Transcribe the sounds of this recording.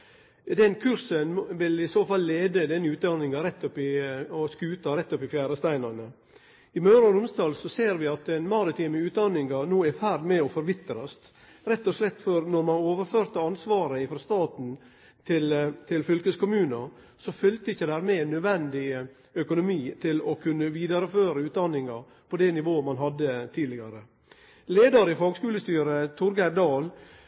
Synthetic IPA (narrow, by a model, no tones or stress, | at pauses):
d̪ɛnkʰʉɾsənʋɪlɪsoːfɑlːeːd̪əd̪ɛnːəʉːt̪̚d̪ɑnːɪŋɑɾɛt̪ːɔpːɪɔskʉːt̪ɑɾɛt̪ːɔpːɪfjæːɾəst̪æɪnɑnə | ɪmœːɾɑɾʊmsd̪ɑːlsɔseːɾʋɪɑt̪ɛɪnmɑɾɪt̪ʰiːməʉːt̪̚d̪ɑnːɪŋɑnoːæɾfæɾd̪mɛɔfɔɾʋɪt̪ːəɾɔst̪ | ɾɛt̪ːɔslɛt̪ːfɔɾnɔɾmɑnoːʋəɾføːɾt̪əɑnsʋɑːɾəɪfɾɑst̪ɑːt̪n̩ | t̪ʰɪlt̪ʰɪlfʏlkəskʊmʉːnə | sɔfʏlt̪əɪçːəd̪æːɾmɛnœd̪ʋɛnd̪ɪ | œkʊnʊmiːt̪ʰɪlɔkʰʉnːəʋiːd̪ɑɾəføːɾəʉːt̪d̪ɑnːɪŋɑɾ | pʰɔd̪ɛnɪʋoːəmɑnɦɑd̪ːət̪ʰiːd̪lɪɡɑɾə | leːd̪ɑɾɪfɑːɡskʉːləst̪yːɾət̪ʰʊɾɡæɾd̪ɑːl